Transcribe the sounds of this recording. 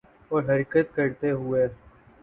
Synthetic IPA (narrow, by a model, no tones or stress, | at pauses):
ɔːɾɦəɾiːkət̪kəɾt̪eɦʊeː